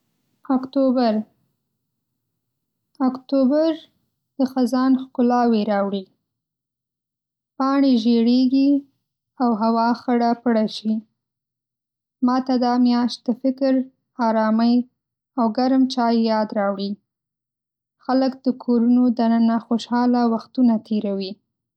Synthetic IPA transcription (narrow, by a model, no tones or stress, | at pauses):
akt̪obaɾ | akt̪obaɾ | d̪̥əxazɑnxkʊlɑweɾɑwɽi | pɑɳeʒeɽeɡi | awɦawɑxəɽapɽaʃi | mɑt̪ad̪ɑmjɑʃt̪̚d̪əfɪkɾ | ɑɾɑməj | awɡaɾmt͡ʃɑjːɑd̪ɾɑwɽi | xaləkd̪̥əkʰoɾunod̪anənaxoʃɑlawaxt̪unat̪ʰeɾawi